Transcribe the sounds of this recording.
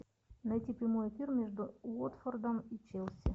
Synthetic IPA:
nɐjtʲipɾʲɪmojefʲirmʲeʐd̪ʊot̪fɔrd̪ɐmit͡ʃɛlˠsʲɪ

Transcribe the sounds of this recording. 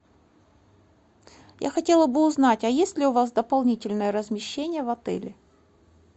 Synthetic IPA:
ja̰xɐtʲelˠəbɨʊznatʲɐjesʲtʲlʲɪʊvas̬d̪əpɐlˠnʲitʲɪlʲnəjəɾəzmʲɪɕːenʲɪjəvɐt̪ɛ̰lʲɪ

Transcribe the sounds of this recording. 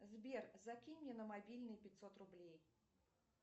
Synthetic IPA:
zʲbʲɛrzakʲinʲnʲɛnɐmabʲilʲnɨjpʲit͡sʲsɔt̪rublʲej

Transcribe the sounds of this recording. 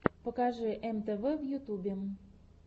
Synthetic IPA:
pŏkɑʒeʔemt̪əβəvjut̪ubʲe

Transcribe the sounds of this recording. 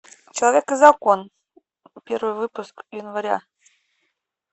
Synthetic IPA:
t͡ɕəlˠovʲekəzɑkon | pʲervɨjvɨpuskjynvaɾʲɑ̰

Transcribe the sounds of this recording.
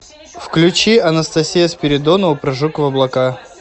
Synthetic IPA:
fklʲʉt͡ɕiɐnəst̪ɐsʲijəspʲɪɾʲɪd̪onəʊpɾɐʐukəvɐblˠɐka

